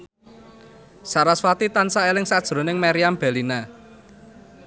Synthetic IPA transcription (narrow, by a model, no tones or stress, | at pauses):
saɾaswat̪it̪ansaelɪŋsad̥ʒ̥ɾo̤nɪŋmaɾiamb̥ɛ̤lina